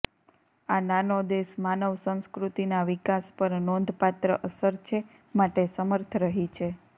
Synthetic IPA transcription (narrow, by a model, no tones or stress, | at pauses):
ananod̪eʃmanəʋsə̃ñskɾut̪inaʋikaspəɾnõnd̪ʱpat̪ɾəʔəsəɾt͡ʃʰe | maʈesəməɾt̪ʰɾəɦit͡ʃʰe